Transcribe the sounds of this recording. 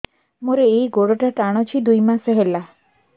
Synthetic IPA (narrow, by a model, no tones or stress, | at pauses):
moɾeːjɡoɽɔʈakaɽ̃ɔt͡ʃʰid̪ujmaseɦela